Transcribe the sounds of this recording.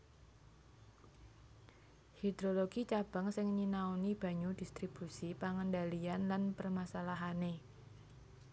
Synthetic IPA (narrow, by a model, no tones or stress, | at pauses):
hid̪̥ɾoloɡ̥it͡ʃab̥a̤ŋsɪŋɲinaunib̥a̤ɲud̥ist̪ɾib̥usipaŋəndalianlanpərmasalaɦane